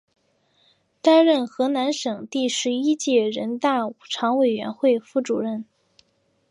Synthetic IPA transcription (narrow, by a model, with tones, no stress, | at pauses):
t̪a˥nɻə˥˩nxɤ˧˥na˧˥nʂɤ˨˩ŋt̪i˥˩ʂɻ̩˧˥i˥t͡ɕjɛ˥˩ɻə˧˥nt̪a˥˩˨ʈ͡ʂʰɑ˧˥ŋwe˨˩ɪɥɛ̰˧˥nxwe˥˧ɪfu˥˩ʈ͡ʂṵ˨˩ɻə˥˩n